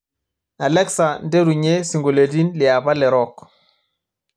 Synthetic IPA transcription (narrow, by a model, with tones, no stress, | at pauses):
a˨lɛ˦ksa˨nde˦ɾu˨ɲe˦si˨ŋɡo˨le˨di˦nli˨a˨ba˦lɛ˨ɾɔ˦k